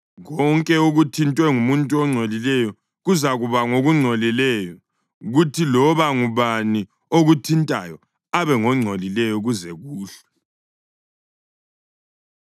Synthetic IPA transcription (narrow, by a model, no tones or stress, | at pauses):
ɣɔŋkʼɛuɣutʰintʼwɛŋumuntʼuɔŋ͡ǀʱolilɛjɔ | ɣuzaɣuβaŋoɣuŋ͡ǀʱolilɛjɔ | ɣutʰilɔβaŋuβani | oɣutʰintʼa̰jɔ | aβɛŋɔŋ͡ǀʱolilɛjɔɣuzɛɣuːɬɛ̥